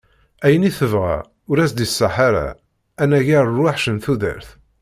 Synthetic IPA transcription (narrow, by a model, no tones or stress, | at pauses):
æjəniθəvʁa̰ | ʊɾæsd̪isːaħaɾa̰ | ænæʝæɾˤrˤwaħʃənθuðə̰ɾθ